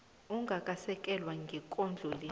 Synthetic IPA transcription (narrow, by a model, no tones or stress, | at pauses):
uŋɡʱakʼasɛkʼɛlwaŋɡʱikʼond͡ɮʱuli